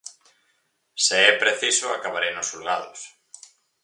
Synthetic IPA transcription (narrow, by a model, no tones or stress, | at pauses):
seɛpɾeθisʊa̰kaβaɾejnʊsulɣaðʊs